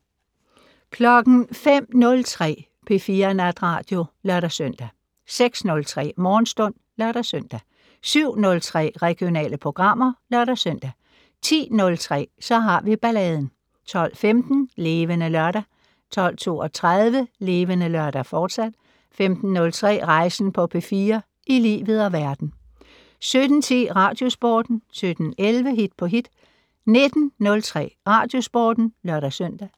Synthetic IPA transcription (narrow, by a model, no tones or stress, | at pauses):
kʰlɒ̽ɡ̥n̩fem̰nɔ̽lt͡sʰʁɛ̰ː | pʰe̝fiːɐnæd̥ʁɑ̰̈ːd̥jo̝lɶɐɾæsœn̰d̥æ | seɡ̥snɔ̽lt͡sʰʁɛ̰ːmɒːnsd̥ɔ̽n̰ | lɶɐɾæsøn̰d̥æ | syʊ̰nɔ̽lt͡sʰʁɛ̰ːʁɛɡ̥jo̝nɛ̰ːləpʰʁo̝ɡ̥ʁɑ̈m̰ɐlɶɐɾ̥æsøn̰d̥æ | t͡sʰḭːnɔ̽lt͡sʰʁɛ̰ːsɒ̽ɦɑ̈ʋib̥ælɛːð̞ˠn̩ | t͡sʰɒ̽l̰femd̥n̩le̝ːʋənəlɶɐɾæ | t͡sʰɒ̽l̰t͡sʰo̝ːɒt͡sʰʁaðˠʋəle̝ːʋənəlœɐɾ̥æfɒːd̥sæd̥ | femd̥n̩ːɔ̽lt͡sʰʁɛ̰ːʁɑ̈ɪsn̩pʰɒ̽pʰefiːɐ | ʔilḭːʋð̞̩ˠɒ̽ʋæɐd̥n̩ | sød̥n̩t͡sʰḭːʁɑ̈ːd̥jo̝sb̥oːd̥n̩sød̥n̩elʋəɦid̥̚pʰɒ̽ɦid̥ | ne̝d̥n̩ːɔ̽lt͡sʰʁɛ̰ːʁɑ̈ːd̥jo̝sb̥oːd̥n̩lɶɐɾ̥æsøn̰d̥æ